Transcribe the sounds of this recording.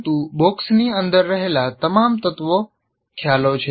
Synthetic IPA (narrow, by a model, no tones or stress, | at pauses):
t̪ũboksniənd̪əɾːəɦelat̪əmamt̪ət̪ʋo | kʰjalot͡ʃʰe